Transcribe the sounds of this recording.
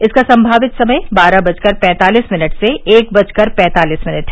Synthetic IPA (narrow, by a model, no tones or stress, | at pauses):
ɪskasɐ̃mbʱaːʋɪt̪sɐməjbaːɾabɐt͡ʃkɐɾpɛ̃ːt̪aːliːsmɪnəʈseeːk̚bɐt͡ʃkɐɾpɛ̃ːt̪aːliːsmɪnəʈɦɛ